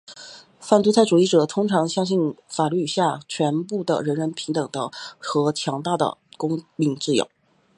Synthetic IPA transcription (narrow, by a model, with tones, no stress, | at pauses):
fa˥˩nt̪u˧˥t͡sʰa˥˩ɪʈ͡ʂu˨˩i˥˩ʈ͡ʂɤ˨˩t̪ʰʊ˥ŋʈ͡ʂʰɑ˧˥ŋɕjɑ˥ŋɕi˥˩nfa˨˩ly˥˩ɕja˥˩t͡ɕʰɥɛ˧˥npu˥˩d̪ə̰˩ɻə˧˥nɻə˧˥npʰi˧˥ŋt̪ɤ˨˩ŋd̪ə˧˦xɤ˧˥t͡ɕʰjɑ˧˥ŋt̪a˥˩d̪ə̰˩kʊ˥ŋmi˧˥ŋʈ͡ʂɹ̩˥˩jo̰˨˩˦